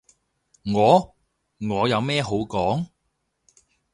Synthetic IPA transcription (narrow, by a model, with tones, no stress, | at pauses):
ŋɔː˨˧ | ŋɔː˨˧jɐ˨˧wmɛː˥ɦo˨˥wkɔː˨˥ŋ